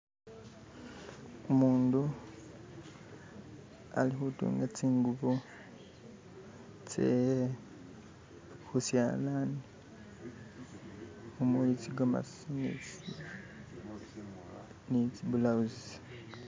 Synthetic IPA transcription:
umuːndu | a̰lixutṵːŋɡat͡siːŋɡuβo | t͡sḛe | xusja̰lani | umuit͡siɡoma̰sinḭt͡si | nit͡siβulauzisḁ

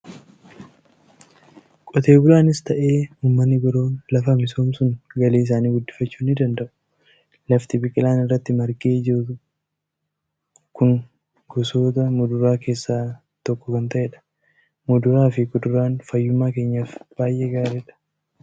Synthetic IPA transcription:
kʼɔt̪e̞ːbʊlaːnɪst̪ɐʔe̞ːuːmːɐnːɪɡɔɾo̞ːnlɐfɐmɪso̞ːmsʊŋɡɐleːɪs̬aːniːɡʊd̪ːɪ̥fɐt͡ʃːuːnɪd̪ɐnd̪ɐʔʊ̥ | lɐft̪ɪbɪkʼɪlaːnɪrːɐt̪ːɪmɐɾkʼe̞ːd͡ʒɪʊ | kʊŋ | ɡɔso̞ːt̪ɐmʊd̪ʊɾaːke̞ːsːaː | t̪ɔkːɔkɐnt̪ɐʔeːᶑɐ̥ | mʊd̪ʊɾaːfɪkʊd̪ʊɾaːnfɐjːʊmːaːke̞ːɲːaːfb̥aːjʔeːɡaːɾeːᶑɐ̥

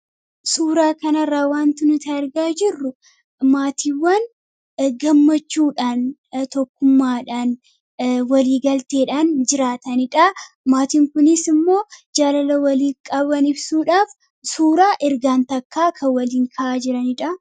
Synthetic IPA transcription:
suːɾaːkɐnɐrːaːwaːnt̪ɪnʊt̪aːɪɾɡaːd͡ʒɪrːʊ | maːt̪ʰiːwːɐn | ɡɐmːɐt͡ʃːuːᶑaːnt̪ɔkːʊmːaːᶑaːn | wɐliːɡɐlt̪e̞ːᶑaːnd͡ʒɪɾaːt̪ɐnɪᶑɐ | maːt̪iːŋkʊnɪsɪmːo̞ːd͡ʒaːlɐlɐwɐliːkʼɐbɐnɪbsuːᶑaːf | suːɾaːʔɪɾɡaːnt̪ɐkːaːkʰɐwɐliːŋkʰɐʔaːd͡ʒɪɾɐnɪᶑɐ

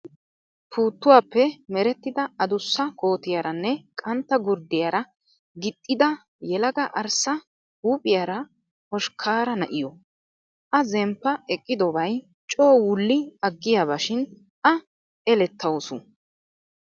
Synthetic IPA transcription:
pʰuːt̪ːʊwaːpːɛmɛɾɛt̪ːɪd̪ɐɐd̪ʊsːɐkʰo̞ːt̪ɪjaɾɐnːɛkʼɐnt̪ːɐɡʊɾd̪ɪjaɾɐ | ɡɪt̪ʼːɪd̪ɐ | jɛlɐɡɐʔɐɾsɐ | huːpʼɪjaːɾɐ | hɔʃkʰaːɾɐnɐʔɪjɔ | ʔɐzɛmpːɐɛkʼːɪd̪ɔbɐj | t͡ʃʼo̞ːwʊlːɪɐɡːɪjaːβaʃɪn | ʔɐ | ɛlɛt̪ːɐwɔsʊ

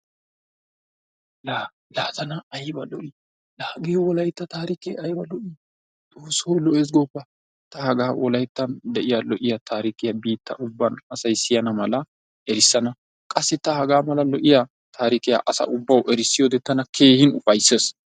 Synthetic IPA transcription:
la | laːzɐnɐɐjbɐlɔʔɪ | laːɡɪjɔwɔlɐjt̪ːɐt̪aːɾɪkeːɐjbɐlɔʔɪ | t̪ʼoːsːowlɔʔeːs̬ɡɔpːɐ | t̪ɐhɐɡaːwʔɔlɐjt̪ːɐnd̪ɛʔɪjalɔʔɪjat̪ʰaːɾɪkɪjabiːt̪ːɐ̰ʔʊbːɐnɐsɐjsɪjɐnɐmɐlɐ | ɛɾɪsːɐnɐ | kʼɐsːɪt̪ɐhɐɡaːmɐlɐlɔʔɪja | t̪ʰaːɾɪkɪja̰ʔɐsɐ̰ʔʊbːɐwʔɛɾɪsːɪjoːd̪ɛt̪ːɐnɐkʰeːhɪnʊfɐjsːeːs

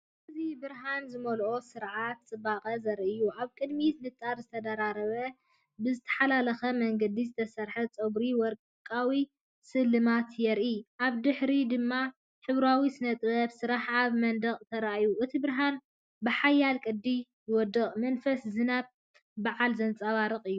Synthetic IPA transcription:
ʔɨzibɨɾɦanzɨmɐolʔo̞sɨɾʕat̪̚t͡sʼɨbaqʼɐzɐɾɨjːuʔaβkʼɨd̪mit̪nɨt͡s̪ʼːaɾzɨt̪ʰɐd̪aɾaɾɐβɐ | bɨzɨt̪ʰɐ̥ħalalɐxɐmɐŋɡɐd̪izɨt̪ʰɐsɐɾħɐt͡sʼɐɡɾiwɔɾkʼkʼawi | sɨlːɨmat̪jɛɾʔiʔaβd̪ɨħɾid̪ɨmːa | ħɨβɾawisɨnɐt̪ʼbɐβsɨɾaħaβmɐnd̪ɐχʼt̪ʰɐɾaʔajuʔɨt̪ʰibɨɾɦan | bɨħajːalkʼɨd̪ːijwɔd̪ɨχʼmɐnfɐszɨnaβ̚ | baʕalzɐnt͡sʼaβaɾɨqʼɨjːu

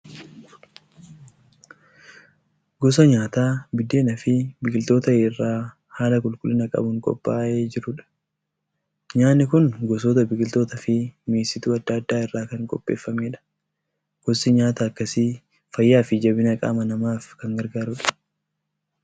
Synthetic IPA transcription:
ɡɔs̬ɐɲaːt̪aːbɪd̪e̞ːnɐfɪbɪkʼɪlt̪o̞ːt̪ɐeːrːaː | haːlɐkʼʊlkʼʊlːɪnɐkʼɐ̰bʊŋkʼɔ̰pʼːaːʔeːd͡ʒɪɾʊᶑɐ̥ | ɲaːnːɪkʊnɡɔsoːt̪ɐbɪkʼɪlt̪o̞ːt̪ɐfɪmeːsɪt̪uːɐd̪ːɐːd̪ːaːɪrːaːkɐŋkʼɔpʼːe̞̰ːfːɐme̞ːᶑɐ̥ | ɡ̥ɔsɪɲaːt̪ɐːkːɐsiː | fɐjːaːfɪd͡ʒɐbɪnɐkʼa̰ːmɐnɐmaːfkɐŋɡɐɾɡaːɾʊᶑɐ̥

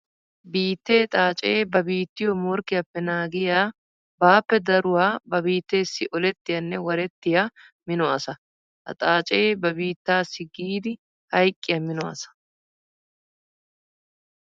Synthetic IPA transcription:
biːt̪ːe̞ːt̪ʼaːt͡ʃʼeːbɐbiːt̪ːɪjɔmoɾkɪjɐpːɛnaːɡɪjaː | baːpːɛd̪ɐɾʊwaːbɐbiːt̪ːe̞ːsːɪʔɔlɛt̪ːɪjɐnːɛwɐɾɛt̪ːɪjɐ | mɪnɔɐsɐ | hɐ̰t̪ʼaːt͡ʃʼe̞ːbɐbiːt̪ːaːsɪɡiːd̪ɪ | hɐjkʼːɪjɐmɪnɔɐ̰sɐ̥

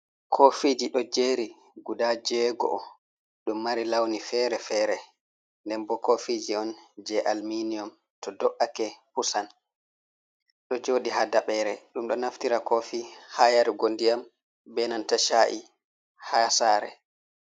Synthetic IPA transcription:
kʰofid͡ʒiɗɔd͡ʒeːɾi | ɡudad͡ʒɛɡɔ̰ɔ̰ | ɗumːaɾilawnifɛɾɛfɛɾɛ | ndɛmbɔkofid͡ʒiɔnd͡ʒɛʔalminiɔm | tɔdɔʔakɛpusan | ɗɔd͡ʒoːɗihadaɓɛɾɛɗumɗɔnaftiɾakɔfihajaɾiɡondijam | bɛnantaʃaʔḭ | hasaːɾɛ̰

